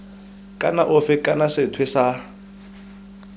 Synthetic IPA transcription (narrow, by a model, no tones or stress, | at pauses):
kʼanaʔʊfɪkʼanasɪtʰwɪsa